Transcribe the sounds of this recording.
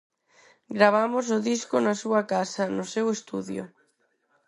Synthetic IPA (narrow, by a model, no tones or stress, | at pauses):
ɡɾaβ̞amʊs̬ʊðiskʊnɐsuɐkasɐnʊsewest̪uðjʊ̰